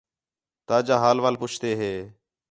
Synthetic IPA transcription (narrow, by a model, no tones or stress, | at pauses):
t̪aːd͡ʒaːɦaːlʋaːlpʊt͡ʃʰt̪eːɦeː